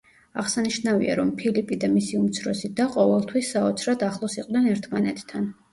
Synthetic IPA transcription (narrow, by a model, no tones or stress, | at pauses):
aʁsaniʃnavḭa̰ɾɔmpʰilipʼid̪amisiumt̪sʰɾɔsid̪aqʼɔvɛlˠt̪ʰwisːaɔt̪sʰɾad̪ʰaχlˠɔsiqʼd̪nɛnɛɾt̪ʰmanɛt̪ʰːan